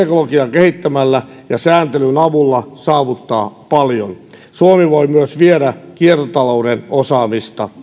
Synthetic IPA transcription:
ekolokiɑkehit̪ːæmælːæ | jɑsæːnt̪elynɑʋulːɑsɑːʋut̪ːɑ̰ːpɑljon | suomiʋoimyøsʋieɾækiert̪ot̪ɑloudenosɑːmist̪ɑ̰

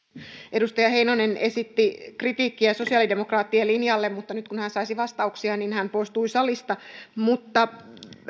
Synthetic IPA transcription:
ʔedust̪ɑjɑheinonenesit̪ːikrit̪iːkːiæso̞siɑˑlidemokrɑːt̪ːielinjɑlːemmut̪ːɑnyt̪kunhænsɑisiʋɑst̪ɑuksiɑninhæmpoist̪uisɑlist̪ɑmut̪ːɑ

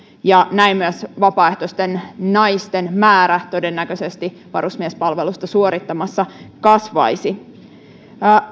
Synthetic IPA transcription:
jɑnæimmyæsʋɑpɑːeht̪osʲt̪e̞nːɑjst̪enmæːɾæt̪o̞de̞nːækøse̞st̪i | ʋɑ̰rusmiespɑlʋe̞lust̪ɑsuo̞ɾit̪ːɑmɑsːɑkɑsʋɑ̰jsi

